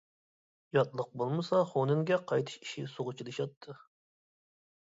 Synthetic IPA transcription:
jɑt̪lˠəq̚bolˠmɨsɑχonɨŋɡʲɛqʰɑjt̪ʰɨ̥ʃi̥ʃisoʁʊt͡ʃʰilˠɨʃɑt̪ʰːɨ

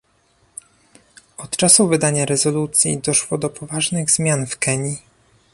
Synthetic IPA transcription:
ɔt̪t͡ʂasuvɘd̪aɲaɾɛzɔlut̪sʲjḭd̪ɔʂwɔd̪ɔpʰɔvaʐnɘɣzmʲjanfkɛɲi

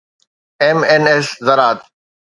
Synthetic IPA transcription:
emeneszɐɾaːt̪

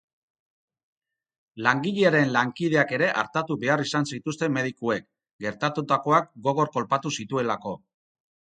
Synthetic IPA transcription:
laŋɡiʎeaɾe̞nlaŋkið̞e̞ake̞ɾe̞ʔa̰ɾt̪at̪uβe̞arisansit̪ust̪e̞me̞ð̞ikue̞k | ɡe̞ɾt̪at̪ut̪ako̞akɡo̞ɣ̞o̞ɾko̞lpat̪usit̪ue̞lako̞

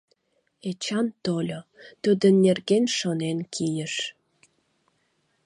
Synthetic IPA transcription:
et͡ɕɑnt̪olʲot̪ud̪ənːerɣenʃonenkʰijəʃ

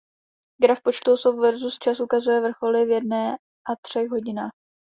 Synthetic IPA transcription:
ɡɾafpo̞t͡ʃt̪osofvɛɾzust͡ʃasʔukazujɛvr̩xo̞lɪvjɛdnɛː | ʔat̪r̝̥ɛɣɦo̞ɟɪnaːx

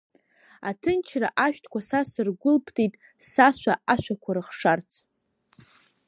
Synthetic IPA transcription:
atʰɨnt͡ʃʰraʔaʃᶣtʰkʷʰasasɨrɡʷʊlpʰtʰʼijtʼ | saʃʷaaʃʷakʷʰaɾɨχʂart͡sʰ

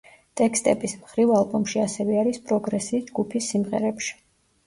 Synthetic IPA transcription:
t̪ʼɛkst̪ʼɛbismχɾivalˠbɔmʃiasɛvɛaɾispʼɾɔɡɾɛsiːsd͡ʒɡupʰisːimʁɛ̰ɾɛpʃi̥

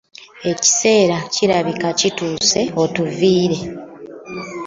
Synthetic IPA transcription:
e̞ci̥se̞ːɾaciɾaβikacituːse̞o̞tuviːɾe̞

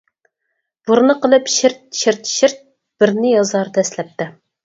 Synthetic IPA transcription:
b̥uɾnɨqəlˠɨpʃiɾt̪̚ʃiɾt̪ʃiɾt̪̚ | b̥ɪɾnɪjɑzɑɾd̪ɑɛslɛp̚t̪ɪ

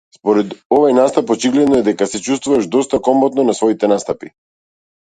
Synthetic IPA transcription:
spɔɾɛd̪ɔvajnast̪apɔt͡ʃiɡlɛd̪nɔɛd̪ɛkasɛt͡ʃust̪vuvaʒd̪ɔst̪akɔmbɔt̪nɔnasvɔit̪ɛnast̪api

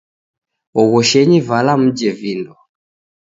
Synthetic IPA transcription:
ɔɣɔʃɛɲivalam̩d͡ʒɛvindɔ

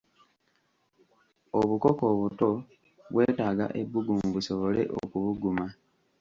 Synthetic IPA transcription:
oβuko̞ko̞ːβuto̞ | βwe̞ːtaːɡa̰ʔe̞bːuɡumβuso̞βo̞le̞̰ʔo̰kuβuɡuma

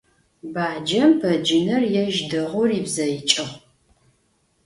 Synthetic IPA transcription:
baːd͡ʒɐmpʰɐd͡ʒɪnɐrjɛʒdɨʁʷʊriːbzɐjɪt͡ʃʼɨχʷ

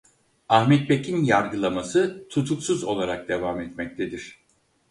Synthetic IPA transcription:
ahmɛt̪̚becʰinjaɾɡɯlˠamasɯt̪ʰut̪ʰuksuzo̞̰lˠaɾak̚d̪e̞vamɛt̪mɛc̚t̪ʰed̪iɾ̝̥

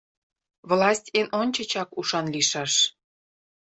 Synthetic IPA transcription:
vlɑsʲtʲenʔonʲt͡ɕə̆t͡ɕɑkuʃɑnliʃɑʃ

